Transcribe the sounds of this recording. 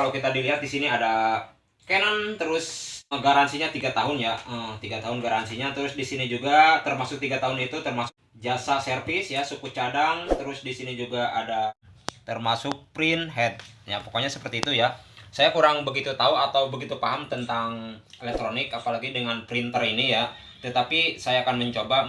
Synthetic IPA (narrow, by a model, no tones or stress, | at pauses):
alawkit̪adiliɦat̪̚disiniada | kajanant̪əɾʊsɡaɾansiɲat̪iɡat̪aɦʊnjaət̪iɡat̪aɦʊnɡaɾansiɲat̪əɾʊsdisinid͡ʒuɡat̪ərmasʊk̚t̪iɡat̪aɦʊnit̪ut̪ərmasʊ̥k̚d͡ʒasasərfɪsjasukut͡ʃadaŋt̪əɾʊsdisinid͡ʒuɡaʔadat̪ərmasʊk̚pɾɪnɦɛt̪̚japo̥koɲasə̥pərt̪iːt̪ujasajakuɾaŋbəɡit̪ut̪auat̪awbəɡit̪upaɦamt̪ənt̪aŋelɛk̚t̪ɾonɪkapalaɡidəŋanpɾint̪ərinija | t̪ət̪apisajaːkanməɲt͡ʃoba